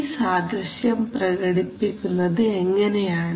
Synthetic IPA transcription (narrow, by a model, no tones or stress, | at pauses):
saːd̪ɾɐɕjɐmprɐɣɐɽipːikʲːunːɐðɨeŋːɐnejaːɳ